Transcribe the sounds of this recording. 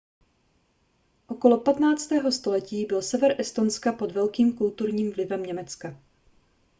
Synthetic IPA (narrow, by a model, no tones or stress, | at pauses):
ʔo̞ko̞lo̞pat̪naːt͡st̪ɛːɦo̞st̪o̞lɛciːbɪlsɛvɛɾʔɛst̪onskapo̞d̪vɛlkiːmkult̪uɾɲiːmvlɪvɛmɲɛmɛt͡ska